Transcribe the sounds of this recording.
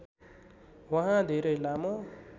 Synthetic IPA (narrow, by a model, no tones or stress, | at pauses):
wʌɦãd̪ʱeɾʌjlamo